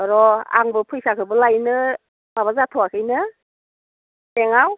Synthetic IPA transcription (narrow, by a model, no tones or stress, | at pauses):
aɾɔa̰ŋbɯpʰɯjsakʰɯbɯlajnɯ | maβazatʰɔwakʰɯjnɯ | eŋaw